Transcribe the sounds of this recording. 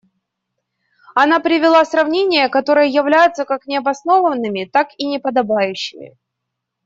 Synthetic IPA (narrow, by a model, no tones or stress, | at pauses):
ɐn̪apɾʲɪvʲɪlˠasrɐvnʲenʲɪjəkɐt̪o̞ɾɨjəjɪvlʲæjʊt̪səkaknʲɪɐbɐsno̞vənːɨmʲɪt̪akinʲɪpəd̪ɐbajʉɕːɪmʲɪ̰